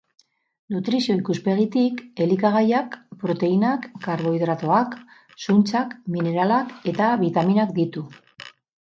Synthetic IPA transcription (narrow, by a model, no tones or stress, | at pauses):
nut̪ɾisio̞ikuspe̞ɣit̪ike̞likaɣ̞ajakpɾo̞t̪e̞inakːaɾβo̞iðɾat̪o̞ak | sunt͡sakmine̞ɾalake̞t̪aβit̪aminakd̪it̪u